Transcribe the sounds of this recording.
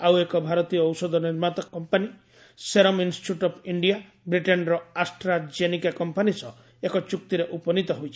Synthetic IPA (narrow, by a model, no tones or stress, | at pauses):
awekɔbʱaɾɔt̪iɔːwsɔd̪ʱɔniɾmat̪ɔkːɔmpani | seɾɔminsʈʈuʈɔpʰiɳɖija | bɾiʈenɾɔasʈɾad͡ʒenikakɔmpanisɔ | ekɔt͡ʃuk̚t̪iɾeʔupɔnit̪ɔɦojt͡ʃʰi̥